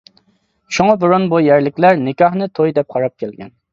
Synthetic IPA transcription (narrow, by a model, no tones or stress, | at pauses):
ʃoŋɑboɾonbujæɾlɪkʲlæɾnɪkʲɑhnɨt̪ʰojd̪ɛp̚qʰɑɾɑp̚kʲʰɛlɡʲɛ̰n